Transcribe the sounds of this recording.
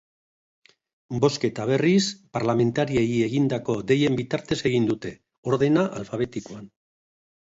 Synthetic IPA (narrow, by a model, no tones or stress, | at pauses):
bo̞ske̞t̪aβ̞e̞rispaɾlame̞nt̪aɾieie̞ɣind̪ako̞de̞je̞mbit̪aɾt̪e̞se̞ɣ̞ind̪ut̪e̞ | o̞ɾðe̞naʔalfaβe̞t̪ikoan